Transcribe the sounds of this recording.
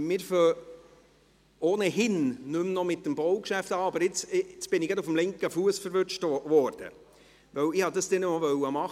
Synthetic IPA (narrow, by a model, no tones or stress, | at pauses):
mɪːɾfœ | oːnəɦɪnnʏmnɔmɪt̚dəmbɔʊkʃæft̪ɑːɑbəɾɪt͡sɪt͡sb̥ɪnɪɡɑdʊfmlɪŋkəfuəsfəɾʋʏt͡ʃtʋɔɾd̥ə̰ | ʋœwɪhɑd̪ɑsd̥ɛnəmɔvœwəmɑχ